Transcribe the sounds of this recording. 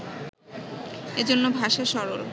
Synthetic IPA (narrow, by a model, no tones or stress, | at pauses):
ed͡ʑonːobʱaʃaʃɔɾoɾ